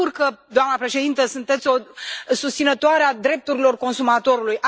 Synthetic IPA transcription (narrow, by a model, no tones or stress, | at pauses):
urkəd̪oamnəpɾe̞ʃe̞d̪int̪əsunt̪e̞t̪sʲo̞sust̪sinət̪oaɾead̪ɾe̞p̚t̪uɾilo̞rko̞nsumat̪o̞ɾulujʔa